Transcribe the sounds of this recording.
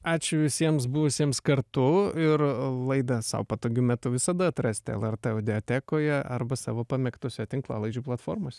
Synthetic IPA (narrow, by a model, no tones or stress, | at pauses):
ɑːt͡ʃʲʊʋʲɪsʲiɛmsbʊʋʊsʲiɛmskɐɾt̪ʊɪrlˠɐɪd̪ɐsɐ̰ʊpɐt̪oːɡʲʊmʲæt̪ʊʋʲɪsɐd̪ɐɐt̪ɾɑsʲt̪ʲɪɛ̰lˠɛrt̪ɛɐʊd̪ʲɪoːt̪ʲæːkoːjɛɐ̰rbɐsɑ̰ːʋoːpɐmʲɛkt̪oːsʲɛt̪ʲɪŋklˠɑ̰ːlˠɐɪd͡ʒʲuːplˠɐt̪foːɾmoːsʲɛ